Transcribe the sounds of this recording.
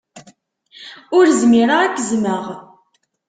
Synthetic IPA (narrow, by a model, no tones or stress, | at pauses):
ʊɾzmiɾəʁækːəzməʁ